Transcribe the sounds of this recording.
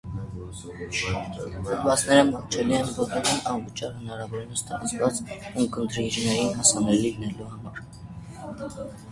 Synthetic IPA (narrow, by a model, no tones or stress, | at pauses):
əd̪bɑt͡sʰnɛɾəmɑɾt͡ʃʰɛliɛnvɔk̪əɾinɑnvət͡ʃɑɾhənɑɾɑvɔɾinəst̪ɑɾɑt͡svɑt͡sukənt̪ʰɾinʒinɛjinɦɑsɑnɛliinɛluhɑmɑɾ